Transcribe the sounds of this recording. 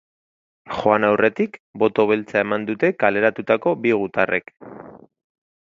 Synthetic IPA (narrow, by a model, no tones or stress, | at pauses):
xo̞anawre̞t̪ikbo̞t̪o̞β̞e̞lt͡sae̞mand̪ut̪e̞kale̞ɾat̪ut̪ako̞biɣ̞ut̪arʔe̞̰k